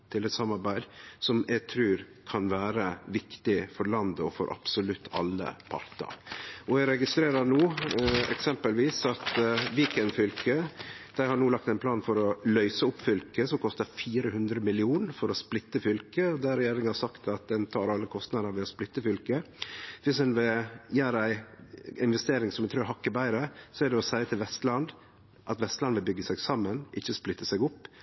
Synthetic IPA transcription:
t̪ʰɪlɛt̪sɑmɑɾbæɪd̪sɔmæɪt̪ʰɾʉːɾ | kʰɑnʋæːɾəʋɪkt̪ɪfɔɾɭɑnd̪əɔfɔ̰ɾʔɑ̰b̥sʊlʉt̪ʰːɑ̰lːə̰pʰɑ̰ɾt̪ə̰ɾʔɔæɾɛɡɪst̪ɾeːɾənuːɛ̰ksɛmpəlʋiːsɑt̪ʋiːkənfʏlkəd̪̥æɪhɑnuːlɑk̚t̪ɛɪnpʰlɑːnfɔɾɔlœʏsəʊpːfʏlkəsɔmkʰɔst̪əɾfiːɾəɦʉnd̪ɾəmɪlɪuːnfɔɾɔsplɪt̪ːəfʏlkəd̪æɾɛjeːɾɪŋənhɑɾsɑkt̪ɑt̪̚d̪ɛnt̪ʰɑːɾɑlːəkʰɔst̪nɑd̪əɾʋɪːɔsplɪt̪ːəfʏlkəʋɪsd̪ɛnʋɪjæːɾəæɪɪnʋɛst̪eːɾɪŋsɔmɛɪt̪ʰɾʉːɾhɑkːəbæɪɾəsɔæɖ̪ɛɔsæɪət̪ʰɪlʋɛst̪lɑnd̪ | ʔɑt̪ʋɛst̪lɑnʋɪlbʏɡːəsɛɡsɑmːənʔɪçːəsplɪt̪ːəsɛɡʊpː

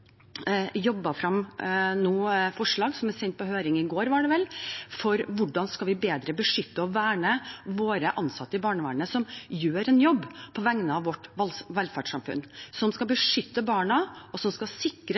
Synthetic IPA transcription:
jɔbːɑfɾɑmnuːfɔʂɭɑːɡsɔmæɾsɛnt̪̚pɔhøːɾɪŋɪɡoːɾʋɑɖɛʋɛlfɔɾʋʊɖɑnskɑʋɪbeːd̪ɾəbəʂʏt̪ːəɔʋæːɳəʋoːɾəʔɑnsɑt̪ːəɪbɑːɳəʋæ̰ːɳəsɔmjøːɾɛnjɔbːpʰɔʋæŋnəɑʋʋɔʈ̪ʋɛlfæʈʂɑmfʉ̰nsɔmskɑbəʂʏt̪ːəbɑːɳɑʔɔsɔmskɑsɪkːɾə

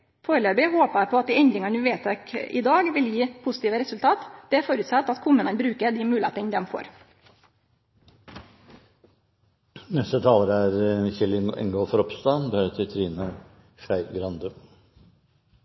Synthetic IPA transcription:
foːɾəløːbɪhoːpəpʰɔɑt̪̚d̪iːɛnd̪ɾɪŋɑnʉːʋeːt̪ʰɛkɪ̰d̪ɑːɡʋɪljiːpʰʊsɪ̥t̪iːʋəɾɛsʉlt̪ʰɑːt̪d̪̥ɛæɾfoːɾʉt̪sɑt̪ːɑt̪kʰʊmʉːnənbɾʉːkəd̪imʉːlḛːt̪ənd̪ɛmfo̰ːɾ | nɛst̪ət̪ʰɑːləɾəæɾçɛlɪɛ̰ŋɡoːfɔɾɔpst̪ɑnbəhœt̪ʰɪt̪ʰɾiːnə | ʃæɪɡɾɑnd̪ʉ

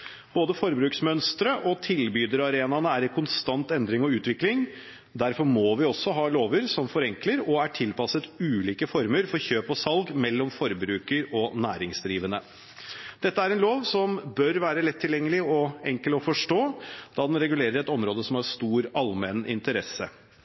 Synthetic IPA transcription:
b̥oːd̪əfɔɾbɾʉːksmœnst̪ɾəʔɔt̪ʰɪlbyːd̪əɾɑɾeːnɑnəæɾɛkʰʊnst̪ɑnt̪ɛnd̪ɾɪŋɔʉːt̪ʋɪklɪŋ | d̪æɾfɔɾmoːʋɪɔsːɔɦɑːloːʋəɾsɔmfɔɾɛŋkləɾɔæʈʰɪlpɑsət̪ʉːliːkəfɔɾməɾfɔɾçøːpɔsɑlɡmɛlːɔmfɔɾbɾʉːkəɾɔnæ̰ːɾɪŋsd̪ɾiːʋənə | d̪̥ɛt̪ːəæɾɛnloːʋsɔmbœɾʋæːɾəlɛt̪ʰːɪljɛŋːəlɪɔɛŋkəlɔfɔʂʈoːd̪̥ɑːd̪ɛnɾɛɡʉleːɾəɾɛt̪ɔmɾoːd̪əsɔmæɾst̪uːɾɑlmɛnɪ̰nt̪əɾɛsə

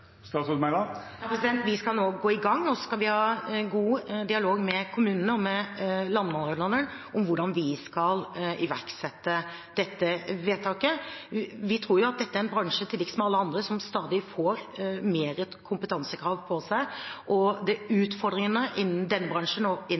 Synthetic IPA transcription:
st̪ɑsʉsmæɪd̪ɑjɑpɾɛsɪd̪ɛnt̪ʋɪskɑlnoːɡoːɪɡɑŋːɔsɔskɑlʋɪhɑːɡuːd̪ɪɑloːɡmɛkʰʊmʉːnənəɔmɛlɑnd̪əmɑnɾəd̪lɑnəɳ | ʔɔmʋʊɖɑnʋɪskɑlɪʋæ̰ɾksɛt̪ːə | d̪̥ɛt̪ːəʋeːt̪ʰɑːkə | ʋɪt̪ʰɾuːɾjʊɑt̪̚d̪ɛt̪ːəæɾɛnbɾɑŋʂət̪ʰɪlːɪksmɛɑlːəɑnd̪ɾəsɔmst̪ɑːd̪ɪfoːɾmeːɾəkʰʊmpət̪ʰɑnsəkʰɾɑːʋpʰɔsæɪʔɔd̪ɛʉːt̪fɔɾd̪ɾɪŋənəʔɪn̩d̪ɛnːəbɾɑŋʂənɔɪ

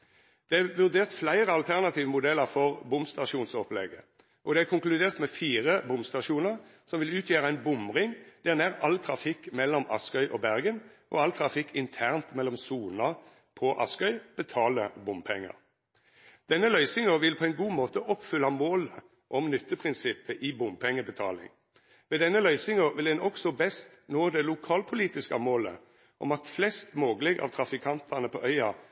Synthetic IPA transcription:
d̪̥ɛʋʉʁd̪eːʁt̪flæɪʁəɑlt̪ʰæʁnɑt̪ʰiːʋəmʊd̪ɛlːəʁfɔʁbʊmst̪ɑʃuːnsɔplɛ̰ɡə | ʔɔd̪ɛæʁkʰʊŋklʉd̪eːʁt̪mɛfiːʁəbʊmst̪ɑʂuːnəʁsɔmʋɪlʉːt̪ʰjeːʁəæɪnbʊmʁɪŋd̪̥ænæʁɑlt̪ʰʁɑfɪkːmɛlːɔmɑ̰skœʏʔɔbæʁɡənʔɔ̰ɑlt̪ʰʁɑfɪkʰːɪnt̪ʰæʁnt̪mɛlːɔmsuːnɑʁ | pʰɔʔɑ̰skœʏb̥ət̪ʰɑːləbʊmpʰɛŋːə̰ʁ | d̪̥ɛnːəlœʏsɪŋəʋɪlpʰɔɛnɡuːmoːt̪əʔɔpfʏlːɑmoːlə | ʔɔmnʏt̪ːəpʰʁɪnsɪpːəʔibʊmpʰɛŋːəbət̪ʰɑ̰ːlɪ̰ŋ | ʋɛd̪ɛnːəlœʏsɪŋəʁʋɪld̪ɛnɔksɔbɛst̪noːd̪ɛlʊkʰɑːlpʰʊliːt̪ɪskɑmoːlə̰ | ʔɔmɑt̪flɛst̪moːɡəlɪɡʔɑ̰ʋt̪ʰʁɑfɪkʰɑnt̪ʰɑʁnəpʰɔʔœʏɑ

